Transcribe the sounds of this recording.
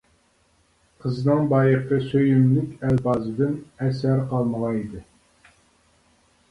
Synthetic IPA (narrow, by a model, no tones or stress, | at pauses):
qʰəznɨŋbɑːjəqʰəsøjymlɪkʲælbɑːzɨd̪ɪnɛsæɾqʰɑlˠməʁɑid̪ɨ